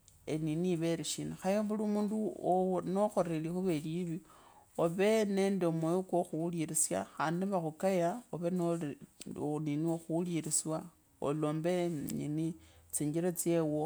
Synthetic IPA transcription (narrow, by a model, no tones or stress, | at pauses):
eniniβeɾiʃinaxajoβulumuːndunoxo̞ɾelixuβeliβioβe̞ne̞ːndeomwejokoxuliɾisja̰xaːndiβaxukajaoβen | oninioxuliɾiswa | o̰loːmbeɲinit͡siːɲɡiɾat͡sjewo